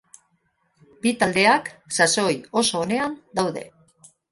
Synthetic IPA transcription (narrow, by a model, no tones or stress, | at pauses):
bit̪ald̪e̞aksaso̞jo̞so̞ːne̞and̪awðe̞̰